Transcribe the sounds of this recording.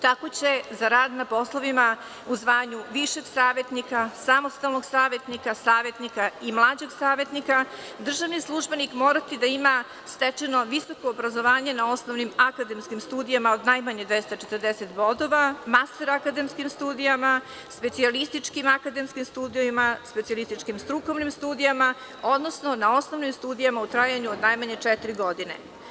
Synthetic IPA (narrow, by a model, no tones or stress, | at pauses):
t̪ako̞t͡ɕe̞zaɾaːd̪napo̞slˠoʋima | uzʋaːɲuʋiʃe̞ɡsaːʋe̞t̪nikasamo̞st̪alˠno̞ɡsaːʋe̞t̪nikasaːʋe̞t̪nikaimlˠaːd͡ʑeɡsaːʋe̞t̪nika | d̪r̩ʒaʋnislˠuʒbe̞nikmo̞ːɾat̪id̪aima | st̪et͡ʃeno̞ʋiso̞ko̞ːbɾazo̞ʋaːɲe̞nao̞snoʋnimakad̪e̞mskimst̪uːd̪ijamaod̪najmaɲed̪ʋest̪at͡ʃet̪əɾd̪eset̪bo̞d̪o̞ʋamast̪eɾakad̪e̞mskimst̪uːd̪ijama | spe̞t̪sialist̪it͡ʂkimakad̪e̞mskimst̪uːd̪ioimaspet̪sialist̪it͡ʂkimst̪ɾuko̞ʋnimst̪uːd̪ijama | o̞d̪no̞sno̞nao̞sno̞ʋnimst̪uːd̪ijamaut̪ɾajaɲuod̪najmaɲet͡ʂɛt̪iɾiɡo̞d̪ine̞̰